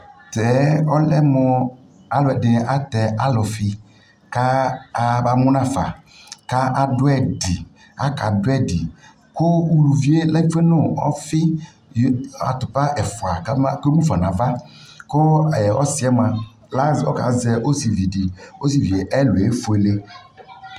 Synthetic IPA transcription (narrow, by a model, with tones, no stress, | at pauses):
tɛ˨˦ɔ˦lɛ˦mɔ˨ | a˦lɛ˨dɪ˨a˦t̪ɛ˨a˦lɔ˨fi˦ | ka˦a˦ba˦mʊ˦nã˦˨fa̰˨ | ka˦ʔa˨dʊ˦ɛ˦di˨ | a˦ka˨dʊ˦ɛ˦di˨ | ko˦u˨lu˨vi˦e˦lɛ˦fe˦nõ˦˨ɔ̰˦fi˦ | ja̰˨t̪u˨pa˦ʔɛ˨fo˨a˨ka˦ma˦ke˦mũ˦fa˨nã˨va˦ | ko˦˨ɔ̰˦si˦ɛ˦mã˨ | la˦zɔ̰˦ka̰˨ze˨o˦si˨vi˨di˨o˦si˨vi˨e˨ʔɛ˦lo˨e˦fu˨e˨le˦